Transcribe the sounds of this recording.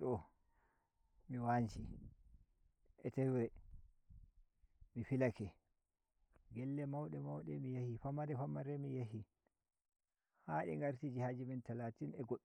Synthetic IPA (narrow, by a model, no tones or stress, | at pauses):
ɗɔ | miwant͡ʃi | ʔɛtɛwɛ | mifilakɛ | ɡɛlːɛmawɗɛmawɗɛmijahifamaɾɛfamaɾɛmijaɦi | haɗḭŋɡaɾtid͡ʒihad͡ʒimɛntalaːtinɛɡoɗ